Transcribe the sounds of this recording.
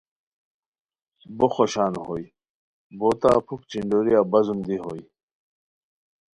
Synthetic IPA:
boxoɕaːnhoːj | boːt̪a̰ːpʰuk̚t͡ɕiɳɖoɾijaːbɐzumd̪iɦoːj

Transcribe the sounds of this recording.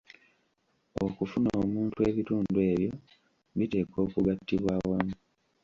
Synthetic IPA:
o̰kufunoːmuːntue̞βituːndue̞ːβjo̞ | βite̞ːko̞ːkuɡatːiβwaːwamu

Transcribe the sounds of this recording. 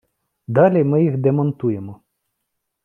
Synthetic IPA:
d̪ɑlʲimɪjixd̪emɔnt̪ujemɔ

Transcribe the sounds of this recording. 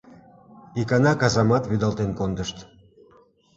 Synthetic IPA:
ikɑnɑkɑzɑmɑt̪βyd̪ɑlt̪enkond̪əʃt̪

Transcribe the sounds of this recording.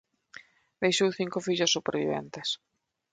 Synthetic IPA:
bejʃowθiŋkʊfiʎʊsːupeɾβḭβɛ̰nt̪es

